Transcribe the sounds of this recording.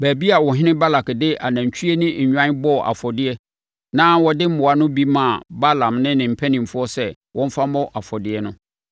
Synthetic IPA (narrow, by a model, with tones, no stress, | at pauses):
bæ˨bi˦a˨wɔ˨ɦɪ˦nɪ̃˦ba˦la˨kdɪ˦ʔa˨næ̃˨ɲ˨t͡ɕʰᶣi˦e˦nʊ̃˦ɲ̩˨ɲᶣã˦nbɔ˦˨ʔa̰˨fɔ˨dɪ˦ɛ˦ | nã˦wɔ˨dɪ˦m̩˦mʊ̃˨a˨nʊ̃˦bi˦mã˨ba˦lã˨mnɪ̃˦nɪ̃˨m̩˨pʰæ˦nĩ˨m̩˨fʊ˦ɔ˦sɛ˨ | wʔɔ̃˦m̩˦fa˦mɔ̃˦ʔa˨fɔ˨dɪ˦ɛ˦nʊ̃˦